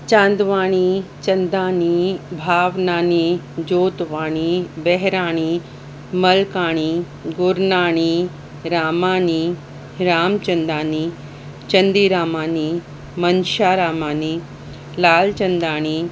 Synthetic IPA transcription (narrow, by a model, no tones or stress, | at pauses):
t͡ʃãːnd̪ʋaːɽ̃it͡ʃɐnd̪aːnibʱaːʋnaːnid͡ʒoːt̪ʋaːɽ̃ibɛɦɾaːɽ̃i | mɐlkaːɽ̃i | ɡʊɾnaːɳ̃iː | ɾaːmaːni | ɾaːmt͡ʃɐnd̪aːni | t͡ʃɐnd̪iːɾaːmaːni | mɐnʃaːɾaːmaːni | laːlt͡ʃɐnd̪aːɽ̃iː